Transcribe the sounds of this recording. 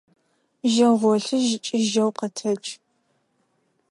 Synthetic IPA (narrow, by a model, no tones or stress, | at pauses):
ʒɐʁʷɔɬɨʒɪt͡ʃʼɪʒɐwqətʰɐt͡ʃʼ